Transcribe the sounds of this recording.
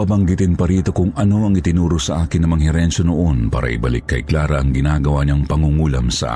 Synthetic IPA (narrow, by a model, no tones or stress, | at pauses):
abɐŋɡɪt̪ɪnpɐɾiːt̪o̞kʊŋɐno̞ɐŋɪt̪ɪnuːɾosɐʔaːkɪnːɐmɐŋɦɛɾɛnʃonoʔonpa̰ːɾɐ̰ʔɪ̰bɐlɪ̰kːɐ̰jklaːɾɐʔɐŋɡɪnaːɡɐwaɲɐŋpɐŋuŋuːlɐmsɐʔa̰